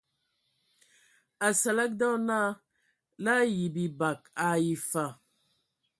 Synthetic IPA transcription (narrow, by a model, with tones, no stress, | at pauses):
a˨sa˨la˦k̚dɔ˦naː˦ | la˦ji˨bi˨ba˨ka˨ji˨fa˨